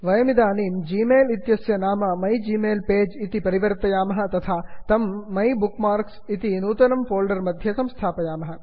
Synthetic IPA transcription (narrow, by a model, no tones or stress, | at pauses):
ʋɐjɐmid̪aːniːmd͡ʒiːmeːlit̪jɐsjɐnaːmɐmɐjd͡ʒiːmeːlpeːd͡ʒit̪ipɐɾiʋəɾt̪ɐjaːmɐɦɐ̆t̪ɐt̪ʰat̪ɐmːɐjbukmaːɾksit̪inuːt̪ɐnɐmfoːlɖɐɾmɐd̪ʱjɐsɐ̃mst̪ʰaːpɐjaːmɐɦɐ